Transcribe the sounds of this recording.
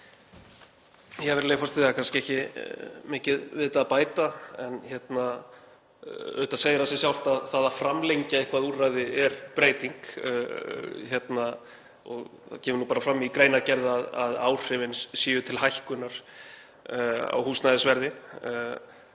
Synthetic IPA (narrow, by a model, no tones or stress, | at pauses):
jɛɛvɛɾlejfɔst̪ɪðakʰanscɪɛhcɪmɪːcɪðvɪðt̪apaːjt̪aɛnçjɛt̪na | œ̰ɥht̪aseːjɾasɛsjawl̥t̪aðθaðafɾamlejɲcaehkvaðurajðɪɛɾ̥pɾeːjt̪iŋkː | çjɛt̪na | ɔ̰ɣθa̰cʰɛːmʏɾnupaːɾafɾamːikɾeːjnacɛɾðaða̰ða̰ːwr̥ɪvɪnssjiːjʏt̪ʰɪlhajhkʏnaɾ̥ | a̰whuːsnajðɪsvɛɾðɪ